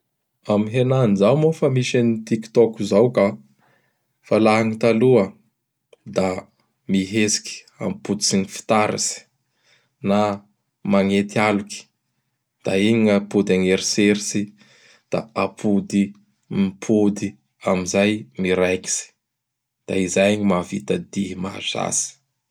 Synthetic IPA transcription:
amiɦenanzawmofamiʃanit̪ikt̪ɔkuzawka | falaɦaŋit̪aluə | d̪a | miɦesi̥kʲi̥ | a̰mipud̪isiɲifi̥t̪aɾa̰si̥ | na | maŋet̪ialuki̥ | d̪̥aiɲapud̪aŋeɾiseɾisi | d̪̥aapʰud̪i | mipʰud̪i | amizajmiɾajki̥si̥ | d̪̥aizajɲimavit̪ad̪iɦima̰za̰si̥

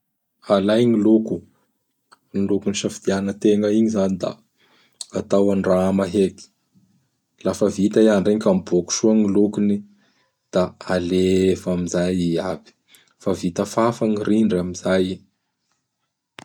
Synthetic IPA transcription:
alajŋiluku | ŋilukuniʃafid̪̥ianət̪eŋəiɲizanid̪a̰ | at̪awanɖ͡ʐamaɦeki̥ | lafəvit̪aiaɳɖ͡ʐeŋkamboku̥ʃuəŋilukuni | d̪̥aalevamizajiabi̥ | favit̪əfafaŋiriɳɖ͡ʐamizaji

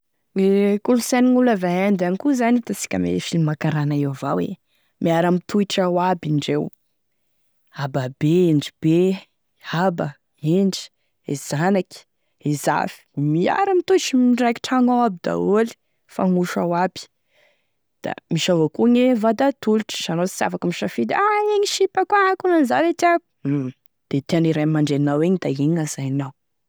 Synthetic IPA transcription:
ekulusaniŋulavaɦand̪anikuzanit̪asi̥kʲəmḛfinimakaɾanaewvawḛ | mʔiaɾamit̪ʰuiʈ͡ʂawabiɳɖ͡ʐew | ababeeɳɖ͡ʐib̥e | aba | eɳɖ͡ʐi̥ | ez̥anakʲi̥ | eza̰fi̥mia̰ɾimit̪ut͡ʃimiɖ͡ʐajki̥ʈ͡ʂaŋowabid̪a̰oli̥ | faŋuʃawabi̥ | d̪̥a̰miʃavakuɲevad̪at̪uluʈ͡ʂə̥z̥anosi̥sa̰fakəmiʃafid̪aeɲiʃipakukunanzalet̪iab | d̪̥et̪eaniɾajmaɳɖ͡ʐeninaweɲid̪aeɲazajnaw

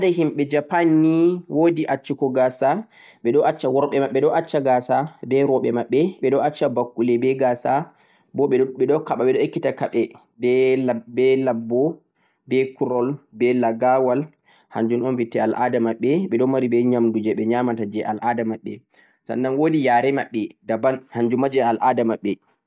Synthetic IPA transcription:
dahimɓɛd͡ʒapanːiwodiʔat͡ʃːikɔɡasa | ɓɛɗɔʔat͡ʃːawɔɾɓɛmaɓːɛɗɔʔat͡ʃːaɡasabɛɾɔɓɛmaɓːɛɓɛɗɔat͡ʃːabakːulɛbɛɡasa | bɔɓɛɛɗɔkaɓaɓɛɗɔekːitakaɓɛ | bɛbɛlabːɔ | bɛkuɾɔlbɛlaɡawal | ha̰ɲd͡ʒunɔnvitːɛalʔadamaɓːɛɓɛɗɔmaɾibɛɲamdud͡ʒɛɓɛɲamatad͡ʒɛʔalʔadamaɓːɛ | sa̰nːanwodijaːɾɛmaɓːɛdabanhaɲd͡ʒumad͡ʒɛalʔadamaɓːɛ

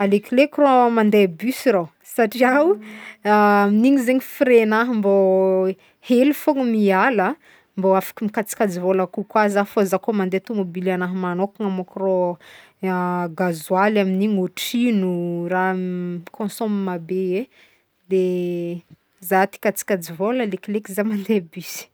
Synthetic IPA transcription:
alekilekromand̪ebysiɾaw | saʈ͡ʂiaw | aminiɲizeɲifiɾenaɦəmbo | helifoŋəmialə | mboafḁkimikat͡si̥kʲad͡zivolakukwazafozakomand̪et̪umobilanaɦəmanokaŋamokro | ɡazualaminiɲoʈ͡ʂinurakʰõsomimabee | d̪e | zat̪i̥kat͡si̥kʲad͡zivoləleklekizamand̪ebysi̥

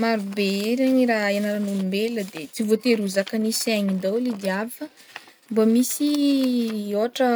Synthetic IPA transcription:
maɾubeeɾaɲiɾaenaɾanulimbeləd̪et͡sivot̪eɾuzakanisaɲind̪awlid̪iafə | mbamisi | oaʈ͡ʂə

